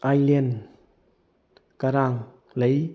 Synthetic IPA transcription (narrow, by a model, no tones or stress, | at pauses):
ʔajlɛn | kəɾaŋ | lej